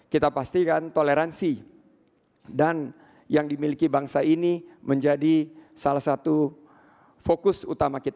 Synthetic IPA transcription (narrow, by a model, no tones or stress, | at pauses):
kit̪apast̪ikant̪oleɾansi | dan | jaŋdimilikibaŋsainiməɲd͡ʒadisalahsat̪u | fokʊsṵt̪amakit̪a